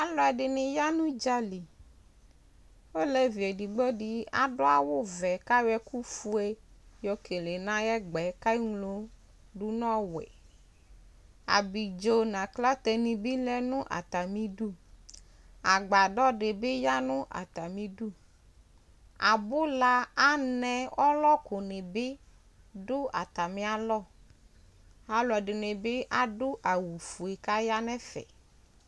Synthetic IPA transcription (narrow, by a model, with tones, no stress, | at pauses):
a˨lɔ˦ɛ˨ɖe˨nẽ˨ja˦nũ˦d͡ʒa˦li˨ | wo˦lɛ˦vi˨e˨ɖi˨ɡ͡bɔ˦ɖi˦a̰˨ɖo˦a˨wo˦vɛ˨ka˦wɛ˦ku˦fu˦e˦jɔ˨kʰe˨le˨nã˦jɛ˦ɡ͡bɛ˨˦ka˦i˦ŋlo˦ | ɖu˦nɔ̃˦wɛ̰˨ | a̰˨bi˨d͡ʒo˨˦nã˨kla˦t̪ɛ˨nĩ˨bi˦lɛ˦nũ˦ʔa̰˨t̪a˨mĩ˦ɖu˦ | a˨ɡ͡ba˨ɖɔ˦ɖe˨be˦ja˦nʊ̃˦ʔa̰˨t̪a˨mĩ˦ɖu˦ | a˨bʊ˦la˦a˦nɛ̃˦ɔ˦lɔ˦ko˨ne˨be˦ | ɖʊ˦a̰˨t̪a˨mĩ˦a˦lɔ˦˨ | a˨lɔ˨ɖe˨ne˨be˦ʔa˦ɖʊ˦ʔa˨wu˨fu˨e˨ka˦ja˦nɛ̃˦fɛ̰˨